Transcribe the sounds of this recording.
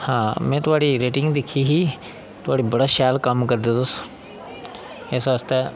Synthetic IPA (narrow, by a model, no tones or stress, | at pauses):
hãːmɛ̃ːt̪ʊaːɽiɾeːʈɪ̃ŋɡd̪ekʰiɦi | t̪ʊʋaːɽibɐɽaʃaːlkɐmkɐɾd̪ẽt̪ʊs | eːsəst̪ɛ